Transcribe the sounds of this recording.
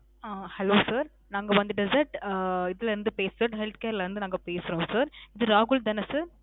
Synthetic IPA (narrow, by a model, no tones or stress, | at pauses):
aːhɛloːsɐːɾ | naːŋɡɐʋɐnd̪ɯɖɛsɐɾʈɪðɪlɐɾɯnd̪ɯpeːsɐʈɦɛlt̪̚keːɾlɐɾɯnd̪ɯnaːŋɡɐpeːsɯɾõːsɐːɾɪðɯɾaːɣʊld̪ɐnɐsɯɾ